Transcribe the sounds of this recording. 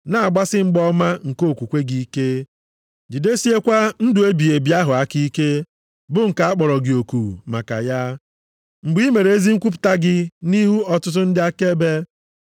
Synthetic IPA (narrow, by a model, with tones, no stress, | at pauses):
na˨a˨ɡ͡ba˦sɪ˦ŋ͡m̩˦ɡ͡bɔ˦ma˦ŋ̩˨ko˦˨kʷu˨kʷe˦ɡi˨i˦ke˦ | d͡ʒi˨de˦si˦e˦kʷa˦n̩˦dʊ˨e˦bi˨e˨bi˨˦a˦ɦʊ˨a˦ki˦i˦ke˦ | bʊ˨ŋ̩˨ka˨a˦k͡pɔ˨ɾɔ˨ɡɪ˨o˨ku˨ma̰˨ka̰˨ja˦ | ŋ͡m̩˨ɡ͡bi˦me˨ɾe˨e˦zi˦ŋ̩˦kʷu˦p̬ʊ̥˨ta˦ɡɪ˦ni˦ɦu˦ɔ˨tʊ˦t̬ʊ˦n̩˦dɪ˦a˦ke˦be˦